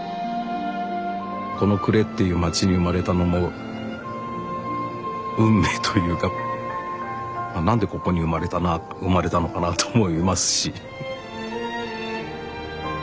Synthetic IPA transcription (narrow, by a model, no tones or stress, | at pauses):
ko̞no̞kɯ̟ɾe̞t̪ːe̞jɯ̟ːmat͡ɕiɲ̟iɯ̟maɾe̞t̪ano̞mo̞ | ɯ̟̃mːe̞ːt̪ʰojɯ̟ːka | manãnd̪e̞ko̞ko̞ɲ̟iɯmaɾet̪ana | ɯmaɾe̞t̪ano̞kanat̪oːmo̞imasɨ̥ɕi